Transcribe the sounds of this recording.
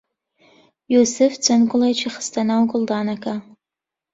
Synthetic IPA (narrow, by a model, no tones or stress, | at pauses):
josɨft͡sʰʼankʷʼʊlajt͡ʃʰiχə̥stʰanawkʼʊldaːnakʰʼa